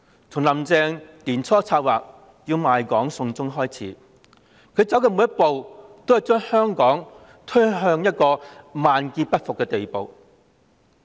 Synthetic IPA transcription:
t͡sʰʊ˨˩ŋlɐ˨˩mt͡sɛː˧ŋt̪iː˨˩nt͡sʰɔː˥t͡sʰaː˧t̚waː˨˩k̚ | jiː˧wmaː˨jkɔː˨˥ŋsʊ˧ŋt͡sʊ˥ŋɦɔː˥jt͡sʰḭː˨˥ | kʰɵ˨˧ɥt͡sɐ˨˥wkɛː˧˩mu˨˧jɐ˥t̚po˨wt̪o˥whɐ˨˩wt͡ʃœː˥ŋhœː˥ŋkɔː˨˥ŋ | t̪ʰɵ˥ɦœː˧ŋjɐ˥t̚kɔː˧maː˨nkiː˧pɐ˥t̚fʊ˨kːɛː˧t̪e˨jpo˨w

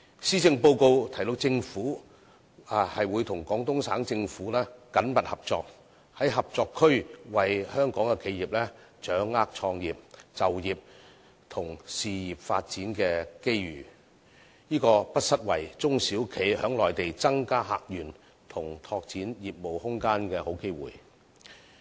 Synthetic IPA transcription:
siː˥t͡sɪ˧ŋpo˧wko˧wt̪ʰɐ˨˩jlʊ˧k̚t͡sɪ˧ŋfuː˨˥˨ | hɐ˨jwuː˨˧jt̪ʰʊ˨˩ŋkɔː˨˥ŋt̪ʊ˥ŋsaː˨˥ŋt͡sɪ˧ŋfuː˨˥lɛː˥kɐ˨˥npɐ˨t̚hɐ˨p̚t͡sɔː˧k̚ | hɐ˨˥jɦɐ˨p̚t͡sɔː˧kʰːɵ˥ɥwɐ˨jhœː˥ŋkɔː˨˥ŋkɛ˧kʰe˨˧jiː˨p̚lɛː˥ | t͡ʃœː˨˥ŋːaː˥k̚t͡ʃʰɔː˧ŋjiː˨p̚t͡sɐ˨wjiː˨p̚ | t̪ʰʊ˨˩ŋsiː˨jiː˨p̚fa̰ː˧t̚t͡siː˨˥nkɛː˧ke˥jɥyː˨˩ | jiː˥kɔː˧pɐ˥t̚sɐ˥t̚wɐ˨˩jt͡sʊ˥ŋsiː˨˥wkʰe˨˧jhœː˨˥ŋlɔː˨˩jt̪e˨jt͡sɐ˥ŋkaː˥ɦa̰ː˧k̚jyː˨˩n | t̪ʰʊ˨˩ŋt̪ʰɔː˧k̚t͡siː˨˥njiː˨˩p̚mo˨whʊ˥ŋkaː˥nkɛː˧ho˨˥wke˥jwṵː˨j

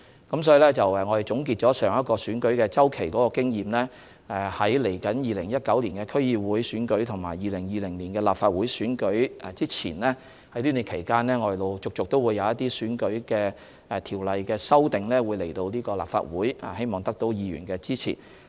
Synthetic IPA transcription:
kɐ˨˥msɔː˨˥ji˧lɛː˥t͡sɐ˨wɛ˨ŋɔː˨˧ɾe˨jt͡sʊ˨˥ŋk̬i˧t̚t͡ʃɔː˨˥sœː˨˩ŋjɐ˥t̚kɔː˧syː˨˥nkɵ˨˥ɥkɛː˧t͡sɐ˥wkʰe˨˩jkɔː˨˥kɔː˧kɪ˥ŋjiː˨mlɛː˥ | ɛ˨hɐ˨˥jle˨˩jkɐ˨˥njiː˨˧lɪ˨˩ŋjɐ˥t̚kɐ˨˥wliː˨˩nkɛː˧kʰɵ˥ɥjiː˧wuː˨˥jsyː˨˥nkɵ˨˥ɥt̪ʰʊ˨ŋmaː˨˩jjiː˨˧lɪ˨˩ŋjiː˨˧lɪ˨˩ŋliː˨˩nkɛː˧laː˨pfaː˧t̚wu˨˥jsyː˨˥nkɵ˨˥ɥt͡siː˥t͡sʰḭː˨˩nlɛː˥ | hɐ˥jliː˥ne˨˧kʰe˨˩jkaː˥nlɛː˥ŋɔː˧˩jlo˨˧wt͡sʊ˨k̚t͡sʊ˨k̚t̪o˥wu˨˧jːɐ˨˧wjɐ˥t̪iː˥syː˨˥nkɵ˨˥kɛː˧ | ɛ˨t̪ʰiː˨˩wlɐ˨jkɛː˧sɐ˥wt̪ɪ˨ŋlɛː˥wuː˨˧jle˨˩jt̪o˧wliː˥kɔː˧la̰ː˨pfa̰ː˧t̚wuː˨˥j̰he˥jmɔː˨ŋt̪ɐ˥k̚t̪o˨˥wjiː˨˧jy̰ː˨˩nkɛː˧t͡siː˥t͡sʰḭ˨˩

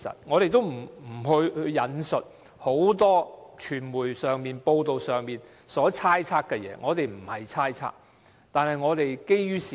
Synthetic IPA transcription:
sɐ̰˨t̚ŋɔː˨˧ɾe˨jt̪o˥wm̩˨˩m̩˨˩hɵ˧ɥhɵ˧jɐ˨˧nsɵ˨t̚ | ho˨˥wt̪ɔː˥t͡ʃʰyː˨˩nmuː˨˩jsœː˨ŋmiː˨npo˧wt̪o˨wsœː˨ŋmiː˨n | sɔː˨˥t͡sʰaː˥jt͡sʰaː˥k̚kːɛ˧jɛ̰ː˨˥ŋɔː˨˧t̪e˨jm̩˨˩hɐ˨jt͡sʰaː˥jt͡sʰa̰ː˥k̚ | t̪aː˨nhɐ˨jŋɔː˨˧t̪e˨jke˥jɥyː˥siː˨

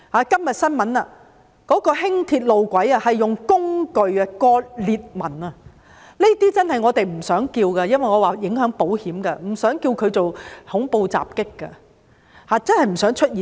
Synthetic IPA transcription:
haː˨˧kɐ˥mjɐ˨t̚sɐ˥nmɐ˨˥nɐ̰˧ | kɔː˨˥kɔː˧hɪ˥ŋt̪ʰiː˧t̚lo˨wkʷɐ˨˥jɐ˧hɐ˨jːʊ˨ŋkʊ˥ŋkɵ˨ɥɐ˧kɔː˧t̚liː˨t̚mɐ˨˩nɐ˧ | ne˥t̪iː˥t͡sɐ˥nhɐ˨˩jŋɔː˨˧t̪e˨jm̩˨˩sœː˨˥ŋkiː˧wkɐ˧jɐ˥nwɐ˨jŋɔː˨˧waː˨˩jɪ˨˥ŋɦœː˨˥ŋpo˨˥whiː˨˥mkɐ˧m̩˨˩sœː˨˥ŋkiː˧wkʰɵ˨˧ɥt͡so˨whʊ˨˥ŋpo˧wt͡sa̰ː˨p̚kɪ˥kːɐ̰˧ | haː˨˧t͡sɐ˥nhɐ˨jm̩˨˩sœː˨˥ŋt͡ʃʰɵ˥t̚jiː˨

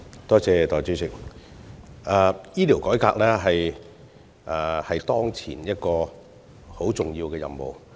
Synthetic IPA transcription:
t̪ɔː˥t͡sɛː˨˧t̪ɔː˨˩t͡syː˨˥sɪ˨˩k̚ | aː˨˧jiː˥t̪iː˨˩wkɔː˨˥jkaː˧k̚lɛː˥ɦɐ˨j | ʔːhɐ˨jt̪ɔː˥ŋt͡sʰḭː˨˩njɐ˥t̚kɔː˧ | ho˨˥wt͡sʊ˨ŋjiː˧wkɛː˧jɐ̰˨mmo̰˨w

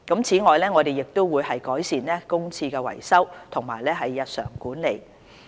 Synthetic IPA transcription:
kɐ˨˥mt͡sʰiː˨˥ŋɔː˨jlɛː˥ŋɔː˨˧d̪e˨˩jːɪ˨k̚t̪ʊ˥wːuː˨˧jhɐ˨jkɔː˨˥jsiː˨nlɛː˥kʊ˥ŋt͡sʰiː˧kɛː˧wɐ̰˨˩jsɐ˥wt̪ʰʊ˨˩ŋmaː˨˩jlɛː˥ɦɐ˨jːɐ˨t̚sœ̰ː˨˩ŋkuː˨˥nle˨˩j

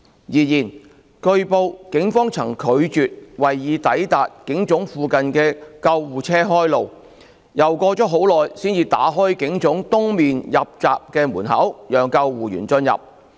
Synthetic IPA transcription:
jiː˨˩jiː˨˩n | kɵ˧ɥpo˧wkɪ˨˥ŋfɔː˥ŋt͡sʰɐ˨˩ŋkʰɵ˨˧ɥt͡ʃyː˨t̚wɐ˨˩jːiː˨˧t̪ɐ˨˥jt̪aː˨t̚kɪ˨˥ŋt͡sʊ˨˥ŋfuː˨˧kɐ˨nkɛː˧kɐ˧wwuː˨t͡sʰɛː˥ɦɔː˥jlo˨˩w | jɐ˨˩wkɔː˧t͡sɔː˨˥ɦo˨˥wlɔː˨jsiː˥njiː˧t̪a̰ː˨˥ɦɔː˥jkɪ˨˥ŋt͡sʊ˨˥ŋt̪ʊ˥ŋmiː˨njɐ˨p̚t͡saː˨p̚kɛː˧muː˨˩nɦɐ̰˨˥wjœː˨ŋkɐ˧wwuː˨˩jyː˨˩nt͡sɵ˧njɐ̰˨p̚

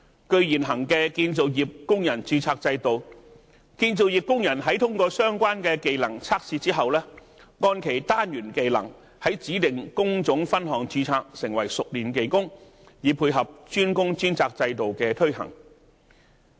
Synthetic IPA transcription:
kɵ˧ɥjiː˨˩nɦɐ˨˩ŋkɛː˧kiː˧nt͡so˨wjiː˨p̚kʊ˥ŋjɐ˨˩nt͡syː˧t͡sʰaː˧k̚t͡sɐ˧jt̪o˨w | kiː˧nt͡so˨wjiː˨˩p̚kʊ˥ŋjɐ˨˩nɦɐ˨˥jt̪ʰʊ˥ŋkɔː˧sœː˥ŋkʷwaː˥nkɛː˧ke˨jlɐ˨˩ŋt͡sʰaː˥k̚siː˧t͡siː˥ɦɐ˨wlɛː˥ | ŋɔː˧nkʰe˨˩jt̪aː˥njyː˨˩nke˨jlɐ̰˨˩ŋ | hɐ˨˥jt͡siː˨˥t̪ɪ˨ŋkʊ˥ŋt͡sʊ˨˥ŋfɐ˥nɦɔː˨˩ŋt͡ʃyː˧t͡sʰaː˧k̚sɪ˨˩ŋwɐ˨˩jsʊ˨k̚liː˨˩nke˨˩jkʊ˥ŋ | jiː˨˧pʰuː˧jɦɐ˨p̚t͡ʃyː˥nkʊ˥ŋt͡ʃyː˥nt͡sʰaː˧k̚t͡sɐ˧jt̪o˨wkɛː˧t̪ʰɵ˥ɥhɐ̰˨˩ŋ

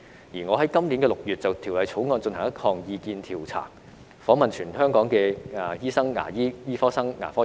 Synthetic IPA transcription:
jiː˨˩ŋɔː˨˧ɦɐ˨˦jkɐ˥mnli˨˥nkɛː˧lʊ˨k̚jyː˨t̚t͡sɐ˨wt̪ʰi˨˩wlɐ˨˧jt͡sʰo˨˥wŋɔː˧nt͡sɵ˧nt̪ʰɐ˨˩ŋjɐ˥kʰɔː˧ŋjiː˧kiː˧nt̪ʰiː˨˩wt͡sʰa̰ː˨˩ŋ | fɔː˨˥ŋmɐ˨nt͡ʃʰyː˨˩nɦœː˥ŋkɔː˨˥ŋkɛː˧a˨˩jiː˥sɐ˥ŋːa̰ː˨˩jiː˥jiː˥fɔː˥sɐ˥ŋːa̰ː˨˩fɔː˥

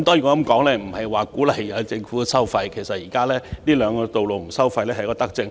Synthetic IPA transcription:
mt̪ɔː˥jy˨˩kɔː˧ɐ˨˧˥mkɔː˨˥ŋlɛː˥m̩˨˩hɐ˨jwaː˨kuː˨˥lɐ˨˩jjɐ˨˧wt͡sɪ˧ŋfuː˨˥˧sɐ˥wfɐ˧jkʰe˨˩jsɐ˨t̚jiː˨˩kaː˥lɛː˥niː˥lœː˨˧ŋkɔː˧t̪o˨wlo˨wŋ̩˨˩sɐ˥wfɐ˧jlɛː˥hɐ˨jkɔː˧t̪ɐ˥k̚t͡sɪ˧ŋ

